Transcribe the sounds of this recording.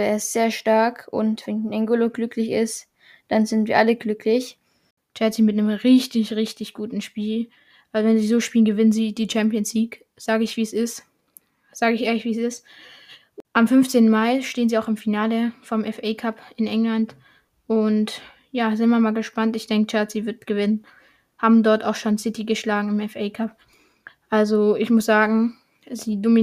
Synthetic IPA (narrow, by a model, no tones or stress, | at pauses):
ɛɛstz̥eːɐʃtaɐkʰʊ̰ntv̥ɛnnɛŋɡoloɡlʏklɪçɪst | d̥anzɪntviːɐʔaləɡlʏkʰlɪç | t͡ʃɛsiːmɪtnəmʁɪçtɪçʁɪçtɪçɡ̥uːtn̩ʃpiːl | ʔavɛnziːzoːʃpiːlənɡəvɪnənziːdiːt͡ʃɛmpjənsliːk | z̥aːɡəɪçv̥iːsɪst | z̥aːɡəɪçʔeːɐlɪçv̥iːsɪst | ʔamfʏnft͡seːntn̩maɪʃteːənziːaʊxɪmfinaːləfoːɐmʔɛfɛːkʰapʔɪnʔɛŋlant | ʔʊnt | jaːzɪnmaɐmaːlɡəʃpantɪçd̥ɛŋkət͡ʃaɐsz̥iːvɪɐtɡ̥əvɪnən | haːbm̩dɔɐtaʊxʃoːnsɪtiɡəʃlaːɡŋ̩ɪmɛfʔɛɪkʰap | ʔalzoʔɪçmʊsz̥aːɡŋ̩ | ziːdomi